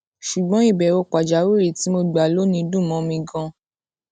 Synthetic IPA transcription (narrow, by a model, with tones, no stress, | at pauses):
ʃu˨ɡ͡bɔ̃˨˦i˦˨bɛ˨ɾo˧k͡pa˨d͡ʒa˨˦we˦˨ɾi˨ti˨˦mo˧ɡ͡ba˨lo˨˦nĩ˧dũ˦˨mɔ̃˧˦mĩ˧ɡã˧